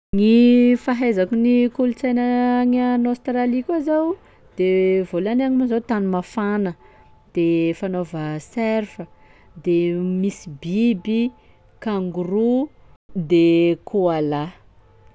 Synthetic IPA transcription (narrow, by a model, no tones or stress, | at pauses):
ŋifaɦajzakunikulut͡sajnəŋanost̪ralikʲuazaw | d̪̥evolanaŋimuzawt̪anumafanə | d̪̥efanovəsɛrfə | d̪emisibibi | kaŋɡuru | d̪ekuala